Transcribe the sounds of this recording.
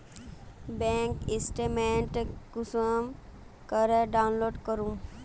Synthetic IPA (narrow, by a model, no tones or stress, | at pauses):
bẽŋkɪsʈemẽɳʈkusəm | kəɾeɖaːʊnloːɖkəɾũ